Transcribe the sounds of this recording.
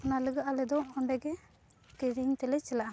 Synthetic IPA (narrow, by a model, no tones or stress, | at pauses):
nalɯɡalɛd̪ɔɔɳɖɛɡɛ | kiɾiɲt̪ɛlɛt͡ʃɛlaʔa